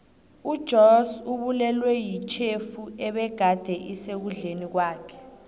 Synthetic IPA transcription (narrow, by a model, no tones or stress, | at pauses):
ud̥ʒ̥ʱɔsuɓulɛlwɛjit͡ʃʰefuɛɓɛɡ̥ʱad̥ʱɛʔisek̬uɮenik̬waːkʰɛ̥